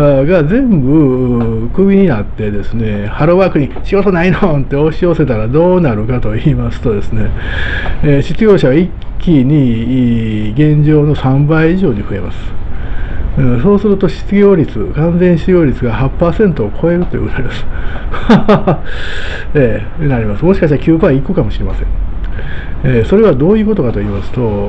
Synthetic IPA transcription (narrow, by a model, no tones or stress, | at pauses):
aɡad͡zẽ̞mbɯ̟kɯ̟bʲiɲ̟inat̪ːe̞d̪e̞sɨne̞ | haɾoβaːkɯ̟ɲ̟iɕiɡo̞t̪o̞nainõnt̪e̞o̞ɕio̞se̞t̪aɾad̪o̞ːnaɾɯ̟kat̪o̞iːmasɨ̥t̪o̞d̪e̞sɨne̞ | ɕi̥t͡sɨɡʲjo̞ːɕaβaikʲːiɲ̟i | ɡẽ̞ɲ̟d͡ʑo̞ːno̞sãmbaiiʑo̞ːɲ̟iɸɯ̟e̞̰ma̰sɨ̥ | ɯ̃so̞ːsɨɾɯ̟t̪o̞ɕi̥t͡sɨɡʲo̞ːɾʲit͡sɨkãnd͡zẽ̞ɰ̃ɕiiɡʲo̞ːɾʲit͡sɨɡahapːaːsẽ̞nt̪o̞ːkʰo̞e̞ɾɯ̟t̪o̞iɯ̰ɡt̪aɾid̪asɨ̥ | eː | naɾʲimasɨmoɕi̥kaɕiakʲɨːbaiːkɯkamo̞ɕiɾe̞ma̰sẽ̞ɴ | eso̞ɾe̞βad̪o̞ːjɯ̟ːko̞t̪o̞kat̪o̞iːmasɨ̥t̪o̞